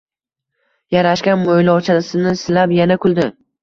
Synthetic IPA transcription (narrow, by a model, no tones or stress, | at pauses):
jaɾaʃkʲanmojlɒwt͡ʃʰasɪnɪsɪlapjanakʰʲʊlˠd̪ɪ